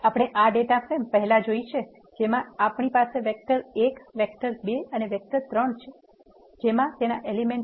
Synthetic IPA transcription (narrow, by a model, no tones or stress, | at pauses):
apəɽ̃eʔaɖeʈafempəɦɛlad͡ʒoit͡ʃʰe | d͡ʒemãapɳ̃ipaseʋek̚ʈəɾekʋek̚ʈəɾbeəneʋek̚ʈəɾt̪ɾəɳt͡ʃʰe | d͡ʒemãt̪enaʔelimeɳ